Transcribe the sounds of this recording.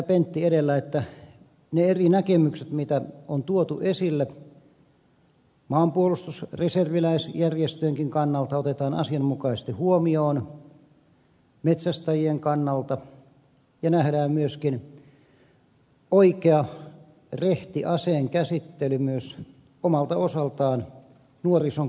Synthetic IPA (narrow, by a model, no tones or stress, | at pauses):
æpent̪ːieɾelːæet̪ːæ | neerinækemykset̪mit̪æont̪uot̪uʔesilːe | mɑːmpuolust̪usreserʋilæisjærjest̪øeŋkiŋkɑnːɑlt̪ɑot̪et̪ɑːnɑ̰siɑmmukɑisest̪ihuomioːn | met̪sæst̪æjieŋkɑnːɑlt̪ɑ | jɑnæhɾæːmmyøskin | oikeɑ | reht̪iʔɑseːŋkæsit̪ːelymyøs | omɑlt̪ɑosɑlt̪ɑːn | nuorisoŋ